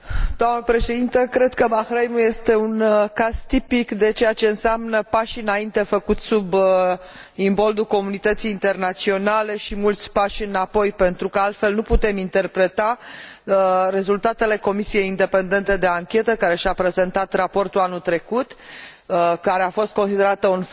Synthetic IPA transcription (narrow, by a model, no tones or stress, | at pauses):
d̪̥oamnəpɾe̞ʃe̞d̪int̪əkɾe̞d̪kəbaxɾejmuje̞st̪e̞unkaz̥t̪ipikd̪e̞t͡ʃejat͡ʃe̞ɨnseamnəpaʃɨnaint̪e̞fəkut̪sub | imbo̞ld̪uko̞munit̪ət̪sijːnt̪e̞rnat̪sio̞nale̞ʃimult̪sʲpaʃɨnapo̞jpe̞nt̪ɾukəalt̪fe̞lnuput̪e̞mint̪e̞rpɾe̞t̪a | re̞zult̪at̪e̞le̞ko̞misije̞jind̪e̞pe̞nd̪e̞nt̪e̞d̪e̞aŋkʲe̞t̪əkaɾe̞ʃapɾe̞ze̞nt̪at̪rapo̞rt̪ulanut̪ɾe̞kut̪ | kaɾeafo̞st̪̚ko̞nsid̪e̞ɾat̪əun